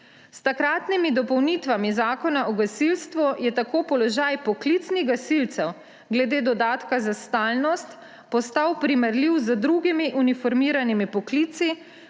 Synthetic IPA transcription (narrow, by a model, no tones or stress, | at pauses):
st̪akɾaːt̪nimid̪ɔpɔwnit̪ʋamizaːkɔnaʔɔɡasilst̪ʋujɛt̪akoːpɔlɔʒajpɔklit̪sniɣɡasilt̪sɛw | ɡlɛd̪eːd̪ɔd̪aːt̪kazast̪aːlnɔst̪ | pɔst̪awpɾimɛɾliwzəd̪ɾuɡimiʔunifɔɾmiːɾanimipɔklit̪si